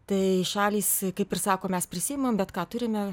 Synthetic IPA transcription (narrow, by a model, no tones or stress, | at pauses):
t̪ɐɪʃɑːlʲiːskɐɪpɪrsɑːkoːmʲɛspʲɾʲɪsʲiːjmɐmbʲɛt̪kɑːt̪ʊɾʲɪmʲɛ